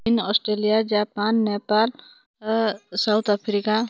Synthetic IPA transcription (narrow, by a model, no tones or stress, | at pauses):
inɔːsʈɾeːlijad͡ʒaːpanːepaːl | sawt̪ʰapʰɾika